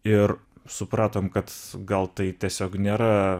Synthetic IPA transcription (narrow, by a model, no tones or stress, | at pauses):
ɪrsʊpɾɑːt̪oːmkɐt̪ɡɐlˠt̪ɐɪt̪ʲiɛsʲoːknʲeːɾɐ